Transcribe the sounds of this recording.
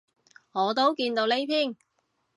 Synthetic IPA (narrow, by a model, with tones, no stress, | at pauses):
ŋɔː˨˧t̪o˥wkiː˧nt̪o˧wle˥jpʰiː˥˩n